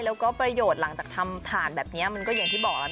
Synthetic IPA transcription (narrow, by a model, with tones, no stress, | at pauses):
lɛː˦˥wkɔː˥˩pɾa˧joː˨˩t̪̚la˩˦ŋt͡ɕaː˨˩k̚t̪ʰa˧mt̪ʰaː˨˩nbɛː˨˩p̚ni˦˥ɐma˧nkɔː˥˩ja˧ŋt̪ʰiː˥˩bɔː˨˩k̚la˦˥